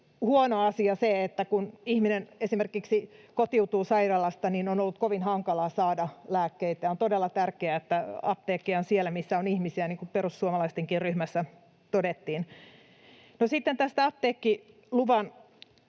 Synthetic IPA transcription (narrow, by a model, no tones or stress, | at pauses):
huonoɑsiɑseet̪ːækunihminenesimerkiksikot̪iut̪uːsɑiɾɑlɑst̪ɑninonolːut̪koʋinhɑŋkɑlɑːsɑːdɑlæːkːeit̪æont̪odelːɑt̪ærkeæet̪ːæɑp̚t̪eːkːionsielæmisːæonihmisiæniːŋkuperusːuomɑlɑist̪eŋkirryhmæsːæ | t̪odet̪ːiːn | nosit̪ːent̪æst̪æɑp̚t̪eːkːi | luʋɑn